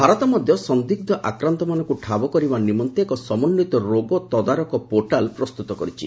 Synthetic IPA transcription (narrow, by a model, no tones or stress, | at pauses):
bʱaɾɔt̪ɔmɔd̪ʱjɔsɔnd̪iɡ̚d̪ʱɔʔakɾant̪ɔmanɔŋkuʈʰabɔkɔɾibanimɔnt̪ekɔsɔmɔnːit̪ɔɾoɡɔt̪ɔd̪aɾɔkɔpoɾʈalpɾɔst̪ut̪ɔkɔɾit͡ʃʰi